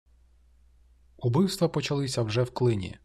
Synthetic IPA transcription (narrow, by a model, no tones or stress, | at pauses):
ubɪwst̪ʋɐpɔt͡ʃɐlˠɪsʲɐwʒɛwklˠɪnʲḭ